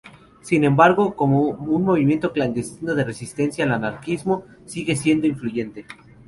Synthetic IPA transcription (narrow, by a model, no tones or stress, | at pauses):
sinẽ̞mbaɾɣo̞ko̞mounmo̞β̞imje̞nt̪o̞kland̪e̞st̪ino̞ðe̞re̞sist̪e̞nsjaːlanaɾkizmo̞ | siɣe̞sje̞nd̪o̞iɱfluʝe̞nt̪e̞